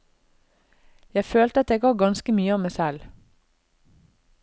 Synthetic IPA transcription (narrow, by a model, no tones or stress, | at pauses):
jæɪføːlt̪əɑt̪̚d̪eːɡɑːɡɑnskəmyːəɑːmæɪsɛl